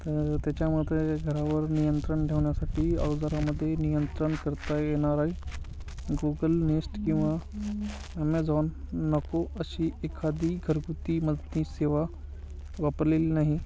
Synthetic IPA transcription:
t̪əɾt̪jat͡ɕjamud̪ʱeɡʱəɾaʋəɾnijənt̪ɾəɳʈeʋɳjasaʈʰiːaʋd͡zaɾaməd̪ʱːjenijənt̪ɾəɳkəɾt̪ajeɽ̃aɾaɦi | ɡuɡəlnesʈkĩw̃ʋa | əmed͡zaʋnːəkoʔəɕiːʔekʰad̪ʱiːɡʱəɾɡut̪iːməd̪ʱniːseʋa | ʋapɾlelnaɦi

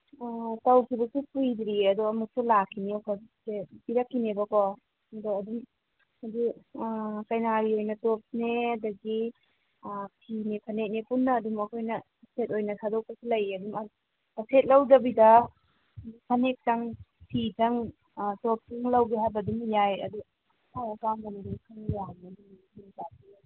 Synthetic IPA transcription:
tawkʰibɐsupujdɾiɐdɔɐmuk̚sulakʰːinewkʰasebiɾakʰːinebɐkɔ | ɐdɔɐdum | ɐdu | kajnaɾiojnɐtop̚neɐdɐɡi | pʰinepʰɐnek̚nepunːɐːdumɐkʰojnɐ | set̚ojnɐsʰadɔk̚pɐsilɐjɐdum | ɐset̚lawdɐbidɐ | pʰɐnek̚taŋpʰitaŋ | top̚tuŋlawɡiɦajbɐdumjajɐ̰du | aakaŋbanidikʰaŋjandum | inzat̚di

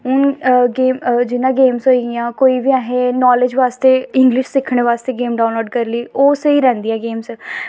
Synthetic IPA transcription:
ʊnɡeːmd͡ʒɪnãːɡeːmsɦoːijãːkoːiːʋiːaːɦẽːnɔːlɪd͡ʒʋaːst̪eːɪŋɡlɪʃsɪkʰːɽ̃eːʋaːst̪eːɡeːmɖaːʊnloːɖkəɾliːoːsiːɾɛ̃ːnd̪ɪjãːɡeːms

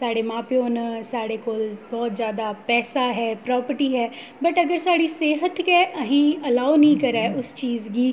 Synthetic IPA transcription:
saːɽeːmãːpeoːnsaːɽeːkoːlbɔːt̪zjaːd̪aːpɛːsaːɦɛːpɾɔːpəɾʈiːɦɛː | bəʈəɡəɾsaːɽiːseːɦət̪kɛʔəɦĩːəlaːonĩːkəɾaːʔʊst͡ʃiːzɡiː

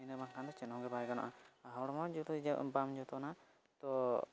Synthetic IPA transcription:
inabaŋkʰand̪ɔt͡ʃɛnɔ̃ɡɛbajɛɡana̰ʔaɦɔwɽɔmad͡ʒɔt̪ɔd͡ʒabamd͡ʒɔt̪ɔna | t̪ɔ

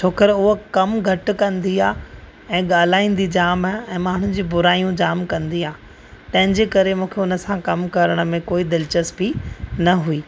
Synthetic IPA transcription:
t͡ɕʰoːkəɾʊɦokɐmɡʱɐʈkɐ̃nd̪iaː | ɛ̃ːɠaːl̤aːĩːn̆d̪id͡ʑaːmɛ̃ːmaːɳ̤ʊd͡ʑiːbʊɾaːijũd͡ʑaːmkɐ̃nd̪iaː | t̪ɐ̃ɦɪ̃ɲd͡ʑeːkɐɾemũːkʰeʊnə̆sãkɐmkɐɾəɽ̃ə̆mẽkoːid̪ɪlt͡ɕəsbinɐɦuiː

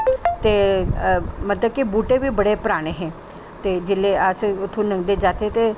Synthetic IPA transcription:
t̪eː | mət̪ləbkibuːʈebiːbəɽepɾaːɽ̃eɦɛ̃ː | t̪eːd͡ʒɪlːeəsʊt̪ʰũnə̃ŋɡd̪ed͡ʒaːt̪et̪eː

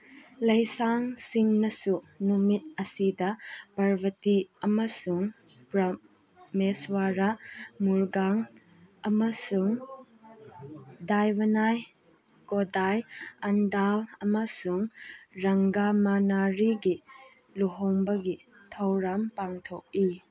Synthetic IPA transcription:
lɐjsaŋsiŋnɐsu | numit̚ɐsidɐpaɾbʱɐtiɐmɐsuŋ | pɾɐ | meswaɾamuɾɡaŋ | ɐmɐsuŋ | dajbɐnaj | kodajɐndalɐmɐsuŋɾɐŋɡamanaɾiɡi | luɦoŋbɐɡi | tʰɐwɾɐmpaŋtʰok̚i

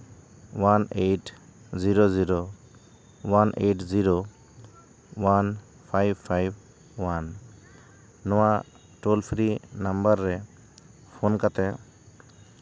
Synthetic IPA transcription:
waneʈ | ziɾoziɾo | wanʔeʈziɾo | wan | pʰajbpʰːajb̚ | wan | ɔwa | ʈolpʰɾinambaɾːɛ | pʰɔnkat̪ɛ

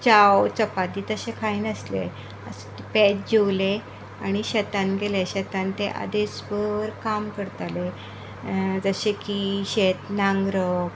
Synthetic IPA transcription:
t͡ɕawt͡səpad̪iːt̪əɕẽkʰainəslḛ | əs | pet͡sd͡ʑewle | aɽ̃iɕət̪anɡeleɕət̪ant̪eʔa̰d̪esbəʋəɾkamkəɾt̪ale | d͡zəɕekiɕet̪nãŋɡɾə

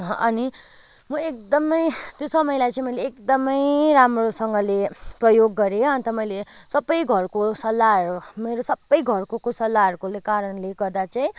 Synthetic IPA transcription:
ɦʔʌni | mʌekd̪ʌmʌjt̪josʌmʌjlajt͡sãĩmʌjleːkd̪ʌmʌjɾamrosʌŋɡʌleprʌjoɡːʌɾeʌnt̪ʌmʌjlesʌbːʌjɡʱʌrkosʌlːarɾumeɾosʌbːʌjɡʱʌrkokosʌlːaɾkolekaɾʌnleɡʌrd̪at͡saĩ

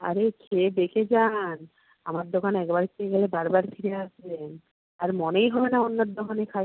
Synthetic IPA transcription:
a̰ɾekʰebeked͡ʑan | amaɾd̪okanɛkbaɾikt̪ːeɡɛlebaɾbaɾfʰiɾeaʃbe | aɾmonejɦɔbenaonːaɾd̪okanekʰaj

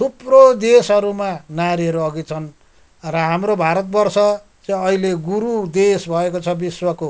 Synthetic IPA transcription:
t̪ʰuprod̪esʌɾumanaɾiʌɾuʌɡit͡sʰʌn | rʌɦamrobʱaɾʌt̪̚bʌrsʌ | t͡sʌʌɦileɡuɾud̪esbʱʌekot͡sʰʌbiswʌko

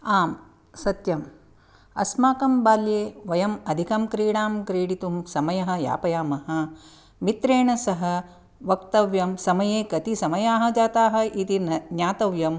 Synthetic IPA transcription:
aːm | sɐt̪jɐm | ɐ̰smaːkɐmbaːljeːʋɐjɐmɐd̪ʱikɐmkɾiːɽaːmkɾiːɽit̪umsɐmɐjɐɦɐ̆ja̰ːpɐjaːmɐɦɐ̆ | mit̪ɾeːɳɐsɐɦɐ̆ | ʋɐkt̪ɐʋjɐmsɐmɐjeːkɐt̪isɐmɐjaːɦɐ̆d͡ʒaːt̪aːɦɐ̆it̪injaːt̪ɐʋjɐm

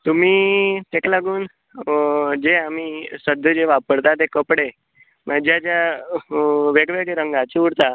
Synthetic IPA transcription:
t̪um̤iːt̪ekalaɡuːn | d͡ʑeamiːsəd̪ʱəd͡ʑeʋapəɽt̪at̪̬ekəpɽe | mad͡ʑjad͡ʑja | ʋeɡʋeɡɾəŋɡat͡ɕiuɽt̪a

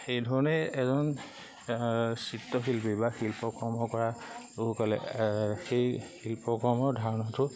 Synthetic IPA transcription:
xejdʱɔɹɔnɛɛzɔn | sitːɔxilpibaxilpɔkɔɹmɔkɔɹa | uɦukalɛ̰xejxilpɔkɔɹmɔɹdʱaɹɔnɔtʊ

